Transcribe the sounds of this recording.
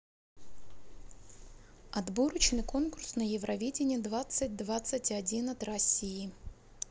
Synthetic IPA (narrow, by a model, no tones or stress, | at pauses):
ɐd̪boɾət͡ɕnɨjko̞nkʊrsnəjɪvɾʔɐvʲedʲɪnʲɪəd̪vat̪sɨt̚ʲd̪vat̪sɨtʲɐdʲinɐt̪rɐsʲijɪ